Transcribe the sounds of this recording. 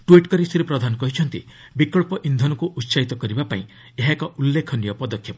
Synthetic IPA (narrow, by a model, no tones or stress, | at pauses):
ʈuiʈkɔɾisiɾipɾɔd̪ʱanɔkɔɦit͡ʃʰɔnt̪i | bikɔɭpɔʔind̪ʱɔnɔkuʔut̪ːsait̪ɔkɔɾibapaĩ | eɦakɔulːekʰɔnijɔpɔd̪ɔkʰːjɔp